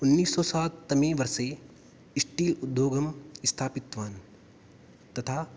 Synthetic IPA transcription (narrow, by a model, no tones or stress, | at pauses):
ʊnːiːsːɔːsaːt̪ːɐmẽːʋɐɾse | ɪsʈiːlʊd̪ːjoːɡɐmɪst̪ʰaːpɪt̪ʋaːn | t̪ɐt̪ʰaː